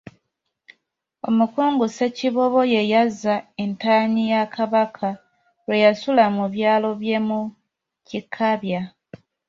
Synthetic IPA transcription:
o̞mukuːŋɡuse̞ciβo̞βo̞je̞jazːae̞ntaɲijakʰaβakʰa | ɾwe̞jasulamuβjaːlo̞βje̞mu | cikʰːaβja

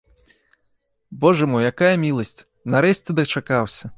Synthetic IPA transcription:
bɔʐɐmujjakajɐmʲilˠɐsʲt͡sʲ | nɐɾɛsʲt͡sʲɛd̪ɐt͡ʂakawsʲɐ

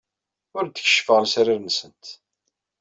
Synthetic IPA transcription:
ʊɾd̪ə̥çə̥ʃə̥fəʁəlsæɾaɾnsənt̪

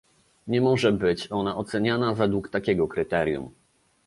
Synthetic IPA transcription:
ɲɛmɔʐɛbɘt͡ɕɔnaʔɔt̪sɛɲanavɛd̪wukt̪akʲɛɡɔkɾɘt̪ɛɾʲjṵm

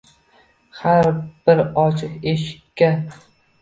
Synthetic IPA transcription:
haɾb̥ɪɾɒt͡ʃʰɪqeʃɪ̥kʲːa

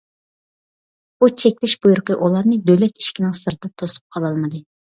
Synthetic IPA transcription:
b̥ut͡ʃʰɛkʲlɪʃbujuɾqəʔulˠɑɾnɨd̪ølɛt̪̚ʰi̥ʃkʲinɨŋsɨɾd̪ɨt̪ʰosu̥p̚qʰɑlˠɑlˠmɨd̪ɨ

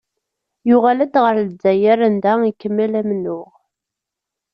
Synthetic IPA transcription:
jʊʁalæd̪ʁəɾləd͡zːæjæɾænd̪æikːəmːælæmnʊʁ

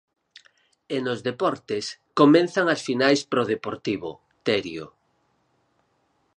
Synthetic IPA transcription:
enozðepɔɾt̪eskomẽn̟θaŋasfinajspɾoð̞epoɾt̪iβo̰ | t̪ɛɾjo̰

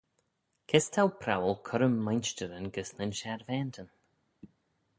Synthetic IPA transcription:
kʰɛst̪ʰawpʰɾa̰wəlkʰʊɾəmːajnʃtəɾənɡəsnənʃaɾvɛnt̪ʰən

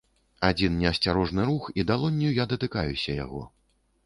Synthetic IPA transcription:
ad͡zʲinnʲɛɐsʲt͡sʲaɾɔʐnɨɾuxid̪alˠɔnʲːijujad̪ɐt̪ɨkajusʲɐja̰ɣɔ̰

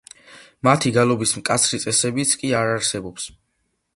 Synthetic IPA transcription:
mat̪ʰiɡalˠɔbismkʼat̪sʰɾit̪sʼɛsɛbit̪sʰkʼiaɾaɾsɛbɔps

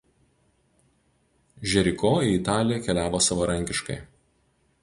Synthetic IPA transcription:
ʒʲɛɾʲɪkoːiɪt̪ɑːlʲɪjɛkʲɛlʲæːʋoːsɐʋɐɾɐŋʲkʲɪʃkɐ̰ɪ

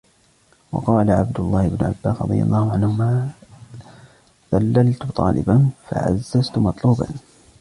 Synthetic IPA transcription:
wɑ̰qɑːlaʕabd̪ʊlˤːɑːhɪbnʊʕa̰bːaːsɾɑ̰d̪ˤɨ̰jɑ̰lˤːɑːhʊʕanhʊmaː | ðalːalt̪ʊt̪ˤɑːlʔɪ̰banfa̰ʕa̰zːazt̪ʊmɑt̪ˤluːban

